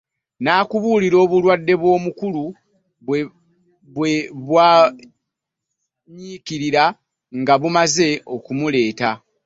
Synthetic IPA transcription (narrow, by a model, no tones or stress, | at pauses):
naːkuβuliɾo̞ːβulwadːe̞βwo̞ːmukulu | βe | βweβwaː | ɲiːkiɾiɾa | ŋɡaβumaze̞o̞kumule̞ːta